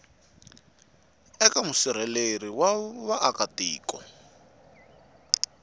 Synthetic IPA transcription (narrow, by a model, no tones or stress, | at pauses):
ɛkamusiɾ̤ɛleriwawaʔakatḭːkɔ